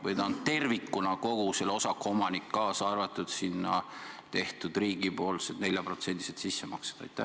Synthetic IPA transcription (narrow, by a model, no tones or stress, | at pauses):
vɤjd̪ɑnd̪t̪e̞rvikːunɑko̞ɡ̥use̞lo̞sɑkːomɑnikːɑːsɑrvɑt̪ːˑud̪sinːɑ̰ | t̪e̞ht̪ud̪̥riːɡ̥ipo̞ːlset̪ne̞lʲjɑpro̞t̪se̞nt̪iset̪sisːemɑkse̥d̪̥ɑ̰jt̪ːˑæh